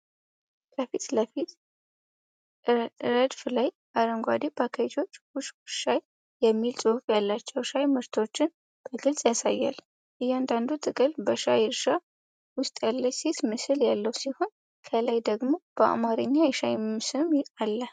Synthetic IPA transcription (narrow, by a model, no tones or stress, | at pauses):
kəfit̪ləfit̪ | ɾəd̪flaj | aɾəŋɡʷad̪ibʰakʰajt̪ʰo̞t͡ʃːwʊʃʃaj | jɛmːilsʼɨhfjalːat͡ʃːɛwʃajmɨɾt̪ʰo̞t͡ʃːɪn | b̥əɡɨlsʼjasajːa̰l | ʔɨjand̪and̪ut̪ʼɨkʼəlbəʃajɾʃa | wʊst̪ʼjalːəse̞t̪mɨsɨljalːəwsiho̞n | kʰəlajd̪əɡmo̞b̥əʔa̰maɾɨɲːajɛʃajsɨmalːə